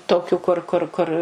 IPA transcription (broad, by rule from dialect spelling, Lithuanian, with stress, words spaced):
ˈtoːkʲuː kʊr ˈkʊr ˈkʊr